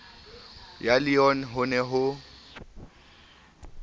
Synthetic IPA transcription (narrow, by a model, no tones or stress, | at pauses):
jalɪɔn̩ɦʊnɛɦʊ